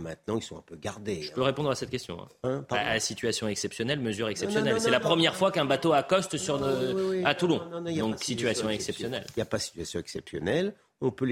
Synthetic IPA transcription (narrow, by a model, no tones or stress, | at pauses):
mɛ̃t̪̚nɑ̃ilsɔ̃ɛ̰̃pøɡaʁd̪eʒəpøʁepɔ̃d̪ʁasɛt̪̚kʲɛst̪jɔ̰̃ɛ̰̃ɛ̃aasit̪ɥasjɔ̃ɛksɛpsjɔnɛlməzyʁɛksɛpsjɔnɛlsɛlapχəmjɛʁfwakɛ̃bat̪oakɔst̪syʁat̪ulɔ̃dd̪ɔ̃ksit̪ɥasjɔ̃ɛksɛpsjɔnɛlijapasi̥t̪ɥasjɔ̃ɛksɛpsjɔ̰nɛl | ɔ̃pøl